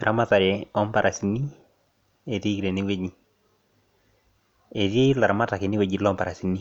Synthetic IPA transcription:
ɾʔa˦ma˦ta˨ɾe˨ɔ˦mpa˨ɾʔa˨si˨ni˦ | e˨ti˦kɾe˨ni˦we˦ɲi˦˨ | e˨ti˦la˨ɾa˨ma˦ta˨kɪ˨nɪ˦we˨d͡ʒi˨lɔ˦mpa˨ɾa˨si˨ni˦

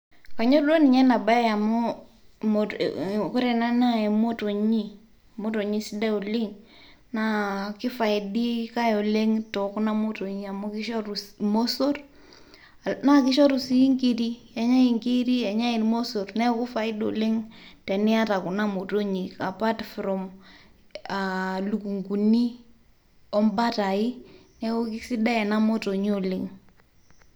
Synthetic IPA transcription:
ka˨ɲo˦do˦ni˨ɲɛ˦na˨ba˦a˨mɔ˦ | mo˨kʊ˦ɾɛ˨na˦na˦e˨mo˦to˨ɲi˦˨ | mo˦to˨ɲi˦si˦da˦o˨li˦ŋ | na˦kɪ˦fa˨ɪ˨di˦ka˦jo˨le˦ŋtɔ˨ku˦na˦mo˦to˨ɲi˦˨a˨mo˦ki˦ʃo˦ɾu˨smo˦so˦r | na˦kɪ˦ʃo˦ɾu˨si˦ŋki˦ɾi˦ | ɛ˨ɲa˦i˨ŋki˦ɾi˦ɛ˨ɲa˦i˨nmo˦so˨ɾnɛ˦ku˦fa˨ɪ˦do̰˨le˦ŋtɛ˨ni˦a˦ta˨ku˨na˦mo˨to˦ɲi˨ka˨pa˦tfɾɔ˨m | a˨lu˨ku˨ŋɡu˨ni˦ | ɔ˦mba˦ta˨i˦nɛ˦o˦ki˦si˦da˦ɛ˨na˦mo˦to˨ɲ˦o˨le˦ŋ

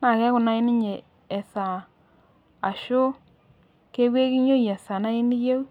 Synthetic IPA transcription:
na˨kɛ˦kʊ˨na˦ɪ˦nɪ˦ɲe˨ | ɛ˨sa˨ | a˨ʃo˦ | ke˦ɣwe˦ki˦ɲo˦ja˨sa˨na˦i˦ni˦je˦u˦

